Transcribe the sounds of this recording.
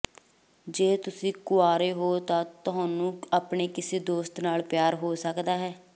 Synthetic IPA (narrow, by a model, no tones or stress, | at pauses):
d͡ʒeːt̪ʊsĩːkʊaːɾeːɦoːt̪ãːt̪ʊɦãːnũːapɳeːkɪseːd̪oːst̪naːlpjaːɾɦoːsəkd̪aːɦɛː